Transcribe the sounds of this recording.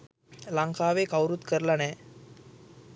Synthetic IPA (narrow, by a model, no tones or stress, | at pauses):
laŋkaʋekawɾut̪kəɾlanɛ